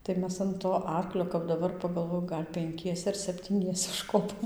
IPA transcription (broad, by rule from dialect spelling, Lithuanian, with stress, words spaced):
tɐɪ ˈmʲɛs ɐn toː ˈɐrklʲoː kɐp dɐˈbɐr pɐɡɐlˠˈʋoːjʊ ˈɡɐlʲ pʲɛŋʲˈkʲiɛsʲɛ ɐr sʲɛpʲtʲiːˈnʲiɛsʲɛ ʊʃˈkoːpoːm